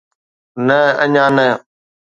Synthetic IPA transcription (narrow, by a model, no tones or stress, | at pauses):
nəəɲãːnə